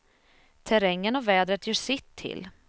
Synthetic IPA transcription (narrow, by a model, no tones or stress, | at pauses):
t̪ʰɛɾɛŋːənɔvɛːd̪ɾət̪jœːʂɪt̪ʰːɪ̰l